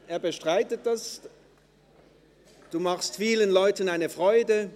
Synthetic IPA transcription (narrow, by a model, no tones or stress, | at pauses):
ʔeːɐbəʃtʁ̥aɪtət̚d̥as | d̥uːmaχstfiːlənlɔʏtənaɪnəfʁɔʏdə